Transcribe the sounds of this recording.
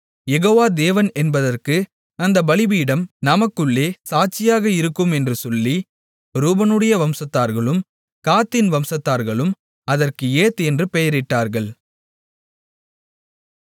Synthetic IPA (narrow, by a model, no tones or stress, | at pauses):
jɛɣoːʋaːd̪eːʋɐnɛnbɐðɐrkɯ | ɐnd̪ɐbɐlɪbiɪɽɐmnɐmɐkːɯɭːeːsaːt͡ʃːɪjaːɣɐɪɾɯkːɯmɛndrɯsɔlːi | ɾuːbɐnɯɽɐjɐʋɐmsɐt̪ːaːɾɣɐɭɯm | kaːt̪ːɪnʋɐmsɐt̪ːaːɾɣɐɭɯm | ɐðɐrkɯeːt̪ɛndrɯpɛjɐɾɪʈːaːɾɣɐɭ